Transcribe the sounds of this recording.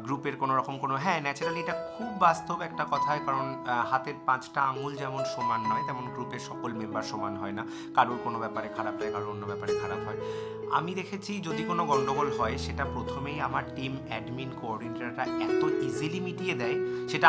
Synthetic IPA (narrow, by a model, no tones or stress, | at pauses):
ɡɾupeɾkonoɾɔkomkonoɦɛ̃nɛt͡ɕenaleʈakʰubːast̪obɛk̚ʈakɔt̪ʰaɦekaɾonhat̪eɾpãt͡ɕʈaaŋold͡ʑɛmonʃɔmanːɔet̪ɛmonɡɾupeɾʃɔkolmembaɾʃɔmanɦɔena | kaɾuɾkonobɛpaɾekʰaɾapɦɔekaɾoonːobɛpaɾekʰaɾapɦɔe | a̰mid̪ekʰet͡ɕʰid͡ʑod̪ikonoɡɔɳɖoɡolɦɔeʃeʈapɾot̪ʰomejamaɾʈimɛɖminkoɔɖinʈaɾʈaɛt̪oizilimiʈied̪ɛeʃeʈa